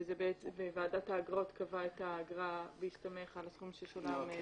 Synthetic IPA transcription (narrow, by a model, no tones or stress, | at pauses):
zebeet͡svevaːdathaːɡʁo̞t̪kavaetaːɡʁabeiʃtame̞χalasχumʃeʃolam